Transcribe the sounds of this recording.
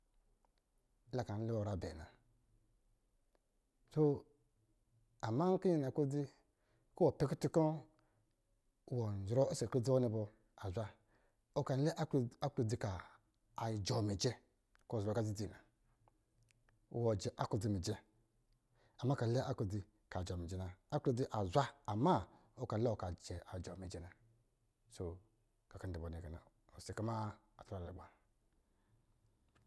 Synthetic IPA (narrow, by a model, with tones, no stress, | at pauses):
la˨ka˨n̩˦li˦wɔ˨ɾa˨bɛ̰˨na̰˨ | to˦ | a˨ma˦ki˦ɲi˨na˨ko˦d͡zi˦ | ko˦wo˨pɛ˦ki˦ti˦kɔ̃˦˨ | wɔ˨n˨d͡ʒɾɔ˦e˦se˨ku˦d͡zi˦wo˦ni˧bɔ˧ | a˨zʷa˦ | o˦ka˨n˦lɛ˦ʔa˦ku˨d͡zi˨kaː˨ | d͡ʒɔ˨mi˨d͡ʒɛ˦ | ko˦˨zbo˨ka˨d͡zi˦d͡zi˨na˨ | wɔ˨d͡ʒɛ˨ʔa˦ko˦˨d͡zi˦˨mi˨d͡ʒe˦ | a˨mːa˦ka˨˦le˦a˦kd͡zi˧ | ka˨d͡ʒɔ˨mi˨d͡ʒɛ˦na˨a˦ko˦d͡zi˦ʔa˨zʷaː˦˨ma˦ | o˦ka˨n˦le˦o˦˨ka˨d͡ʒe˨a˨d͡ʒɔ˨mi˨d͡ʒe˦na˨ | so˨ | ka˨ka˨ndi˨bo˨ni˨ɡa˨na˨ | o˨si˨ka˦ma˦ | a˨ta˨lḛ˨ɡ͡ba˨